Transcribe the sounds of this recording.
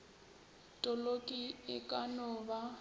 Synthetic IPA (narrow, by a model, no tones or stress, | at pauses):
tʼɔlokʼiɪkʼanɔba